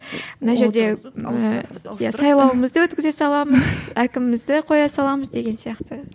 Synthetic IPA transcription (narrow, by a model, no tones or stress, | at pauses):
mənɑʒe̞ɾd̪e̞ | jasɑjlˠɑwəməzd̪əwɵt̪̚kʲɪze̞sɑlˠɑməz̥ækʲɪmɪmɪzd̪ɪqʰo̞jɑsɑlˠɑməzd̪e̞ɡʲe̞nsijɑqt̪ə